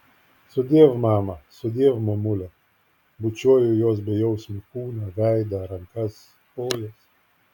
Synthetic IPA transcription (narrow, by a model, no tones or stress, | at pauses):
sɔd̪ʲeːwmaːmɐsɔd̪ʲeːwmɔmʊlʲɛ | bʊt͡ʃuːjʊjoːs̬bʲɛjɔwsʲmʲɛkuːnɐʋʲæjd̪ɐɾɐŋkɐs | poːjɛs